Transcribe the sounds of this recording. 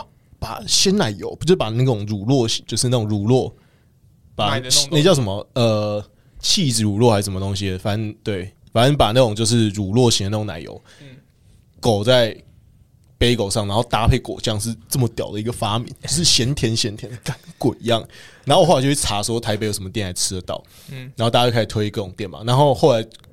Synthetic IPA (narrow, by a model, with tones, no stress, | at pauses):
pa̰˨˩ɕjɛ˦˥nna˨˩˦ɪjo̰˨˧˦ʊpu˧t͡ɕo˥˩pa˨˩na˥˩ʈ͡ʂo˨˩ŋɻu˨˩lwɔ˥˨˩ɕi̥˨˦nt͡ɕjo˥˧ʂɻ̩˥˧a˥˩ʊo˨˩ŋɻu˨˩lwɔ˥˩ | pa˨˩n˥˧˩t͡ɕɑ˥˩ʊʂə˧˦mə˧ə˨ | t͡ɕʰi˥˩d͡zɹ̩˨˩ɻu˨˩lwɔ˥˨xa˧˥ʂə˧˦mə˧t̪o˧˦ŋɕi˧˨˩fa˨n˦nt̪we˥˩ɪ | fa˨˦nə˦npa˨˩na˥˩ʈ͡ʂʊ˨˩ŋt͡ɕjo˧ʊʂ̬ɻ̩˥˨ɻu˨˩lwɔ˥˨ɕi˧˨nd̪ə˧na˥˩o˧˦ŋna̰˨˩ɪjo̰˧˦ʊ | ko˨˩ʊt͡sa˥˩ɪ | pe˥ɪko˨ʊʂɑ˥˩ŋna˧˦nxo˥˧ʊt̪a˦˧pʰe˥˩ɪko˨ʊt͡ɕjɑ˥˧ŋʂ̬ɻ̩˥˧t͡sə˥˩mə˩t̪jɑ˨˩ʊd̪ə˨i˧ɡə˨fa˦˥mḭ˨˦nt͡ɕo˧ʊʂɻ̩˥˩ɕjɛ˧˦nt̪ʰjɛ˧˦˥nɕjɛ˧˦˥nt̪ʰjɛ˧˦nə˨˩ka˨˦nkwe˨˩ɪi˧˦jɑ˥˩ŋna˨˧nxo˥˨xo˥˩a˧˦t͡ɕo˥˩˥a˨˥swɔ˥t̪ʰa˧ɪpe˧ɪjo˧˥ʊʂə˦mə˧t̪jnla˧˥ɪt͡sʰɻ̩˥d̪ə˨˩t̪ɑ̰˥˩ʊ | na˧˦nxo˥˩a˧˥˧kʰa˥˩˨t̪ʰwe˥ɪi˧kɤ˥˩o˨˩ŋt̪jɛ˥˩nma̰˨˩na˧˦nxo˥˧ʊxo˥˩ʊla˧˦ɪ